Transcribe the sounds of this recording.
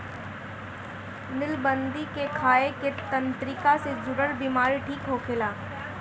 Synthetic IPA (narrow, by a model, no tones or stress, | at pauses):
nɪlbənd̪ikekʰaːeket̪ɐ̃nt̪ɾɪkased͡ʒʊɾəɾbimaːɾiʈʰiːkɦokʰɪlaː